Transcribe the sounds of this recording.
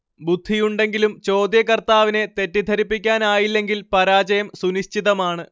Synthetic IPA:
bud̪ʱːijuɳɖe̞ŋɡilumt͡ɕo̞ːd̪jɐkɐrt̪aːʋine̞t̪e̞tːid̪ʱɐɾipːikʲːaːnaːjilːe̞ŋɡilpɐɾaːt͡ɕɐjɐmsuniɕt͡ɕiðɐmaːɳɨ

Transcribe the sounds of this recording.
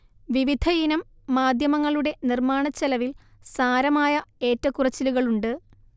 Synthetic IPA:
ʋiʋid̪ʱɐjinɐmː | aːd̪ʱjɐmɐŋːɐɭuɽe̞nirmaːɳɐt͡ɕːɐlɐʋil | saːɾɐmaːjɐe̞ːtːɐkːurɐt͡ɕːiluɣɐɭuɳɖɨ

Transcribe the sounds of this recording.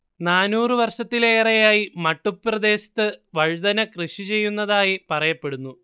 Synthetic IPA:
naːnuːrɨʋɐrʂɐt̪ːile̞ːrɐjaːjimɐʈːuprɐd̪e̞ːɕɐ̥t̪ːɨʋɐɻd̪ɐnɐkrɨɕit͡ɕe̞jːunːɐðaːjipɐrɐjɐpːe̞ɽunːu

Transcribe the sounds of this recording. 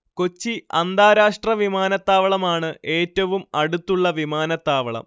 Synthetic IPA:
ko̞t͡ɕːiɐ̰nd̪aːɾaːʂʈrɐʋimaːnɐt̪ːaːʋɐɭɐmaːɳɨʔe̞ːtːɐʋumɐɽut̪ːuɭːɐʋimaːnɐt̪ːaːʋɐɭɐ̰m

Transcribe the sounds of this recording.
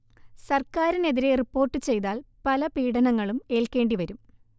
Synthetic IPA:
sɐrkaːɾine̞ðiɾe̞ripːo̞ːrʈːɨt͡ɕe̞jðaːlpɐlɐpiːɽɐnɐŋːɐɭume̞ːlke̞ːɳɖiʋɐɾum

